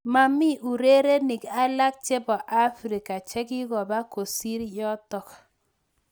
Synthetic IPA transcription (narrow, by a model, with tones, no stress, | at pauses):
ma˨mi˦ʔu˨ɾe˦ɾe˦ni˨ka˦la˦k̚t͡ʃe˦bɔ˨ʔa˦fɾi˨ka˨t͡ʃɛ˦kɪ˦ɣɔ˨ba˦ko˨si˦ɾjɔ˦tɔ˨k